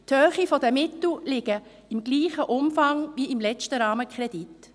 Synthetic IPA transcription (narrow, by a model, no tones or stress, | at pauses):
thøːχifɔdəmɪtl̩lɪɡ̥ə | ɪmɡ̥liːχəʔʊmfɑŋviɪmlɛt͡stəɾɑːməkʰʁɛd̥it